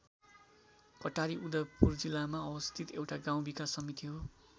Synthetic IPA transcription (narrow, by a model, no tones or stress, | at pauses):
kʌʈaɾiud̪ʌrpurd͡zilːamaʌwʌst̪ʰit̪ewʈaɡãw̃bikasʌmit̪iɦo